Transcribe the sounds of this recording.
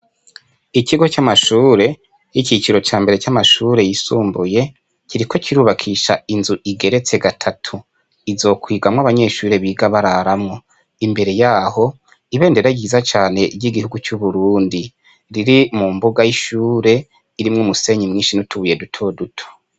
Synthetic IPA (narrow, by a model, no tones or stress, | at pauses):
ikiɡot͡ʃamaʃuːɾe̞ | jicit͡ʃiɾo̞t͡ʃaːmbe̞ɾe̞t͡ʃamaʃuːɾe̞jisuːmbuje̞ | ciɾiko̞ciɾuːβakʰiːʃainzuʔiɡe̞ɾe̞t͡se̞ɡatʰatʰu | izo̞ːkwiːɡamŋwaβaɲe̞ʃuːɾe̞βiːɡaβaɾaɾamŋo̞ | imbe̞ɾe̞jaːho̞ | iβe̞ːnde̞ɾaɡiːzat͡ʃaːne̞ɟiɡihuɡut͡ʃuβuɾuːndi | ɾiɾimumbuɡajiʃuːɾe̞ | iɾimŋumuse̞ɲimŋiːnʃinutʰuβuje̞dutʰo̞dutʰo̥